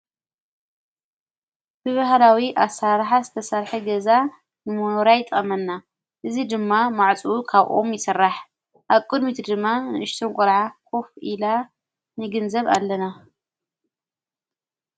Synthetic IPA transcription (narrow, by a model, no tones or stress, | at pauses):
b̥ɨβahlawiʔasaɾħazɨt̪ʰɐsɐɾħɐɡɐza | nɨmoɾajt̪ʼɐmɐnːa | ʔɨzid̪ɨmːamaʕt͡sʼukʰaβʔomjɪsɐrːaħ | ʔaβkʼɨd̪mit̪ʰɨd̪ɨmːanɨɨʃt̪ʰonkʷʼɔɾʕakʰofila | nɨɡɨnzɐβa̰lːɐna